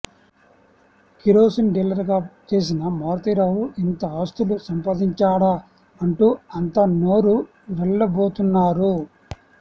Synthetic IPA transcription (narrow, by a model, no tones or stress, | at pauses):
kiɾo̞ːsinɖilːɐɾɡaːt͡ʃe̞ːs̬inɐmaːɾt̪iɾaːɦuʔint̪ɐaːst̪ulusɐmpaːd̪iɲt͡ʃaːɽa | ɐɳʈuːɐnt̪ɐnoːɾu | ʋɛɭːɐbo̞ːt̪unːaːɾu